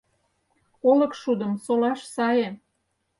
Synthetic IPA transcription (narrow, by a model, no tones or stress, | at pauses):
olə̆kʃud̪ə̆msolɑʃsɑje